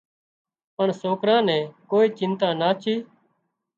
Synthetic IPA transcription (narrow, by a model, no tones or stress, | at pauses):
pəɳsoːkɾãːnɛ̃ːkoːiːt͡ʃɪ̃nt̪ãːnaːt͡ʃʰiː